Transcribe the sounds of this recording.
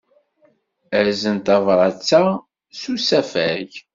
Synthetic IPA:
əɾzənt̪ɑvɾˤɑt͡sːa | susæfæʝ

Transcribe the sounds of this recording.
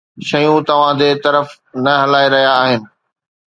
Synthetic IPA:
ʃɐjũt̪ɐʋ̤ãd͡ʑ̪et̪ɐɾəf | nɐɦɐlaːeɾɐɦijaːɦɪnɪ̆

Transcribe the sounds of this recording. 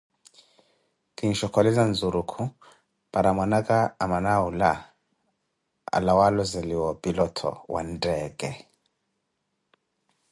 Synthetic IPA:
kinʃɔkɔlizanzuɾukʰu | paɾamwanaɣaamanaula | a̰lawalɔzɛliwɔbilɔtʰɔ̰wa̰ndɛɡɛ

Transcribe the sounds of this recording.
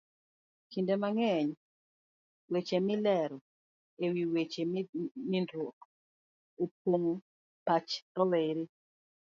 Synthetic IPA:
kindemaŋɛɲ | wet͡ʃemɪlɛɾɔ | ewiwet͡ʃemɪndok | op̚oŋ | pat͡ʃɾɔleɾi

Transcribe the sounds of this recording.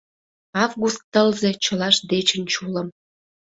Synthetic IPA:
ɑvɣust̪ːəlze̽t͡ɕəlɑʃd̪et͡ɕənt͡ɕuləm

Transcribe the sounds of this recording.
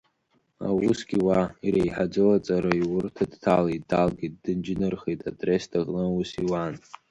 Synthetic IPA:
a̰wusɡ̥ʲiwaiɾejħad͡zowat͡sʼaɾaiwʊrtʰadtʰaletdalɡejt̚d̥ɨnd͡ʒnɨrχejtʼatʼrestʰaqʼnɨwusiwan

